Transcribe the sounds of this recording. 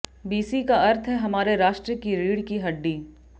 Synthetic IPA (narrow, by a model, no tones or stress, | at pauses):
biːsikaɐɾt̪ʰɦɛɦɐmaːɾeɾaːʃʈɾəkiɾiːɽkiɦɐɖːiː